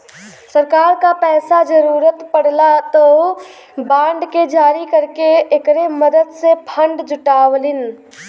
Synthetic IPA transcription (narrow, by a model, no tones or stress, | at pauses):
səɾkaːɾkapɛːsad͡ʒəɾuːɾət̪pəɽlat̪o | bãːɳɖked͡ʒaːɾikəɾkeːkɾeməd̪əd̪sepʰə̃ɳɖd͡ʒʊʈaːwlɪn